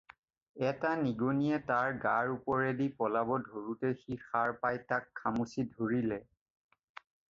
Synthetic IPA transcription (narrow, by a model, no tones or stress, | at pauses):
ɛtaniɡonijɛtaɹɡaɹupɔɹɛdipɔlabɔdʱoɹutɛxixaɹpajtakʰːamusidʱoɹilɛ